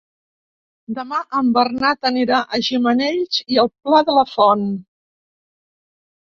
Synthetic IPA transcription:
d̪əmaʔəmbərnat̪əniɾaʔəʒiməneʎziəlˠplaðələfɔn

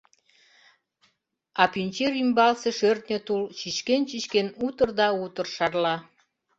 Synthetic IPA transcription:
ɑpynʲt͡ɕeɾymbɑlseʃørt̪nʲət̪ult͡ɕiʃkent͡ɕit͡ɕkenut̪ərd̪ɑut̪ə̆rʃɑrlɑ

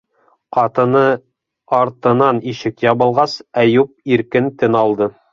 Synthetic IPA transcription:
qɑt̪ɤ̆nɤ | ɑɾt̪ɤ̆nɑniʃɘkjɑβɤ̆lˠʁɑsæjup̚iɾkɘnt̪ɘnɑlˠd̪ɤ

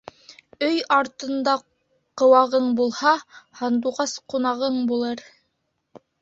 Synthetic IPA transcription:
ɵjɑɾt̪ɤ̆nd̪ɑ | qɤ̆wɑʁɤɴbulˠhɑhɑnd̪uʁɑsqunɑʁɤɴbulˠɤɾ

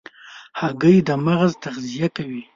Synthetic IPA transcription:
haɡəjd̪əmaɣzt̪aɣzijakawi

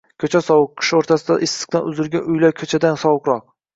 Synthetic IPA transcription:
kʲʰɵt͡ʃʰasɒwɨq̚kʰʲːɪ̥ʃɪoɾt̪ʰasɪd̪aʔɪsɨ̥q̚t̪anʊzɪɾɡʲanʊjlaɾkʰɵt͡ʃʰad̪ansɒwɨqɾɒq̚

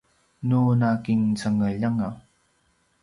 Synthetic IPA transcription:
nunakiŋt͡saŋəʎaŋa

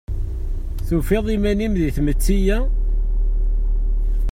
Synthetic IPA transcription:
θufeðˤimænimðiθmət͡sːijæ

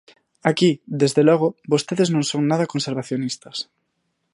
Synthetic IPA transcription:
akiðezðelɔɣ̞obost̪eðeznõŋsoŋnaðakonseɾβaθjonist̪ɐs

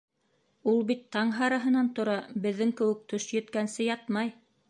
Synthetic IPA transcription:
ulˠbit̪ʰːɑɴɦɑɾɑɦɤ̆nɑnt̪ŏɾɑbɘ̆ðːɘŋkɘ̆wɘ̆k̚t̪ɵʃjɵ̆t̪kænsɘjɑt̪mɑj

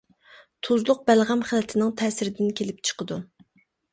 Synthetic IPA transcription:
t̪ʰuzlˠʊq̚bælʁæmχælɛt̪ʰɪnɪŋt̪ʰɛːsɪɾɪd̪ɪnkʲʰelɪp̚t͡ʃʰə̥qəd̪u

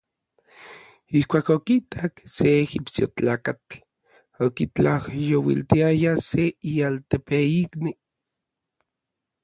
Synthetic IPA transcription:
ihkʷaːkokit̪ʰakseːxipsjo̰t͡ɬaːkat͡ɬ | okit͡ɬahjowḭlt̪iajaseialt̪epeikni

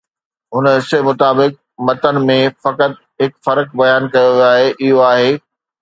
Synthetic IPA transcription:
ɦʊnəsemʊt̪aːbɪk̚ | mɐt̪ənɪ̆mẽfɐkət̪̚ | ɦɪkfɐɾk̚bɐjaːnkɐjoʋjoaːɦeʔɪɦoaːɦeː

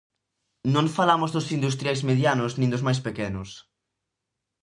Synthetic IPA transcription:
nõɱfalamʊzðʊsind̪ust̪ɾjajzmeðjanʊsnĩŋd̪ʊzmajspekɛnʊs

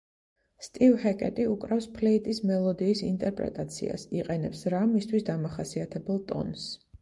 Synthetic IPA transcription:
st̪ʼivhɛkʼɛt̪ʼiukʼɾafspʰlɛit̪ʼismɛlˠɔd̪iːsḭnt̪ʼɛɾpʼɾɛ̰t̪ʼat̪sʰḭa̰siqʼɛnɛpsɾamist̪ʰwisd̪amaχasiat̪ʰɛbɛlˠt̪ʼɔ̰ns

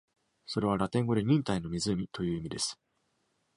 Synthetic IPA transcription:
so̞ɾe̞β̞aɾat̪ẽ̞ŋɡo̞ɾeɲ̟ĩnt̪aino̞mʲizɨmʲit̪o̞jɯ̟ːimʲid̪e̞sɨ̥

